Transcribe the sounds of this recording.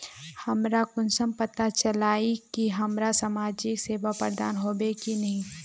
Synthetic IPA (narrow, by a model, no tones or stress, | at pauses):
hɐmɾakʊnsəmpət̪at͡ʃɐlaːikiɦɐmɾasamaːd͡ʒikseːʋapə̰ɾd̪a̰ːnɦoːbekinɐɦĩ